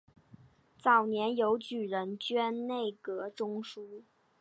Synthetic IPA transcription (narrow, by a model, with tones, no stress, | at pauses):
t͡sɑ˨˩ʊnjɛ˧˥njo˧˥ʊt͡ɕy˨˩ɻə˧˥nt͡ɕɥɛ˥nne˥˩ɪkɤ˧˥ʈ͡ʂʊ˥ŋʂu˥